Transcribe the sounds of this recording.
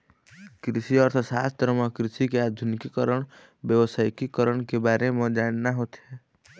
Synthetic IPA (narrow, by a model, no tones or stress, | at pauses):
kɾɪʃiɔːɾt̪əsaːst̪əɾməkɾɪʃikeaːd̪ʱʊnɪkikəɾəɽ̃ | bjəʋəsaːjkikəɾəɽ̃kebaːɾemẽd͡ʒaːnnaɦoːt̪eɦɛː